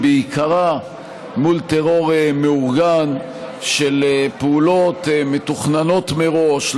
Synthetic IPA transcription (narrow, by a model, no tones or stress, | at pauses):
beikaʁa | mult̪eʁo̞ʁemeuʁɡan | ʃelepeulo̞t̪met̪uχnano̞t̪meʁo̞ʃ